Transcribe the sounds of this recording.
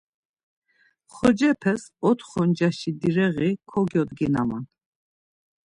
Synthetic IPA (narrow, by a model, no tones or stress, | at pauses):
χɔd͡ʒɛpʰɛsɔt̪χɔnd͡ʒaʃid̪iɾɛɣikʰɔɡjɔd̪ɡina̰ma̰n